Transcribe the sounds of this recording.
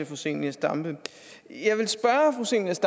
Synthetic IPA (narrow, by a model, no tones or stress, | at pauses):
efʁose̝̰ːniæsd̥ɑ̈mb̥ə | jɑ̈ɪʋe̝lsb̥ɶɐfʁuse̝̰ːniɐsd̥